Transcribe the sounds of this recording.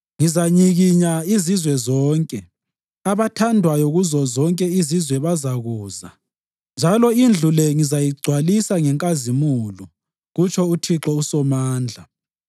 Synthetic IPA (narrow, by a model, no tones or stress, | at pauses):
ŋizaɲiɣiɲaizizwɛzɔːŋkʼɛ | aβatʰandʱwajoɣuzɔzɔŋkʼɛizizwɛβazaɣuːza̰ | nd͡ʒʱalɔind͡ɮʱulɛŋizajiɡ͡ǀʱwalisaŋɛŋkʼazimulu | ɣut͡ʃʰɔutʰiǁɔusɔmaːnd͡ɮʱa